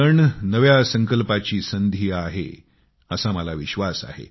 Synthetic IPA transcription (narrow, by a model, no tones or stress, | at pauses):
əɳnəʋjasəŋkəlpat͡ɕiːsənd̪ʱiːaɦḛ | əsaməlaʋiɕʋasa̰ɦḛ